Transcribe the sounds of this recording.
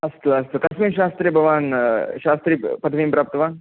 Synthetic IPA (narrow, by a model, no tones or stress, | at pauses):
ɐst̪uɐst̪ukɐsmiʃaːst̪ɾibʱɐʋaːnʃaːst̪ɾiːpɐt̪ʰʋiːmpɾaːp̚t̪ɐʋaːn